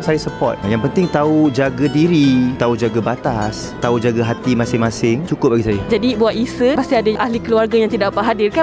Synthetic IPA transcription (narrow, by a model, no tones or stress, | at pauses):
sajasəpɔ̰t̪̚jaŋpənt̪ɪŋt̪aud͡ʒaɡadiɾit̪aud͡ʒaɡabat̪as | t̪aud͡ʒaɡaɦat̪imãsɪŋmãsɪŋt͡ʃukʊp̚laɡisajad͡ʒadibuaʔisəpast̪iadəʔaɦlikəluarɡajaŋt̪idaʔpaʔɦadɪrka